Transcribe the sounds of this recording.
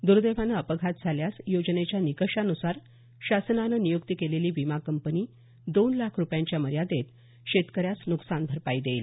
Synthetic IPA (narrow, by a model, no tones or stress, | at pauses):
d̪uɾd̪eʋ̤anəəpəɡʱat̪̚d͡zʱaljasjod͡ʑnet͡ɕjanikəʂanusaɾ | ɕasənanənijukt̪ikeleliːbimakəmpəniː | d̪onlakʰɾupjaɲt͡ɕjaməɾjad̪et̪ | ɕet̪kəɾjasnuksanbʱəɾpaid̪eiːl